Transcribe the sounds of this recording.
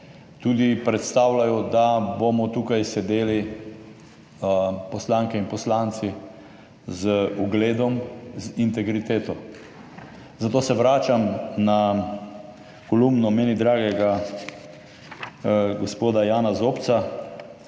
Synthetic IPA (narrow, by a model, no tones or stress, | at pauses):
t̪uːd̪ipɾɛt̪st̪aːwlajɔd̪abomɔt̪uːkajsɛd̪eːli | pɔslaːŋkɛinpɔslant̪si | zəuɡleːd̪ɔmzint̪ɛɡɾit̪eːt̪ɔ | zat̪oːsɛʋɾaːt͡ʃamna | kɔlumnɔmeːnid̪ɾaːɡɛɡa | ɡospoːd̪ajaːnazoːpt̪sa